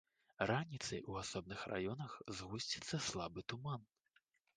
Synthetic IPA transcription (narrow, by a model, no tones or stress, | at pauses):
ranʲit̪sɐ̰juasɔb̚nɨxrʔa̰jɔnɐxzɣusʲt͡sʲi̥t̪sːɐslˠabɨt̪uman